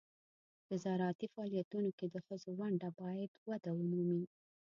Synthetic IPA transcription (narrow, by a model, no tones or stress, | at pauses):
d̪əzɑɾɑt̪ifaɑlijat̪unoked̪əxəzowaɳɖabɑjad̪wad̪awənumi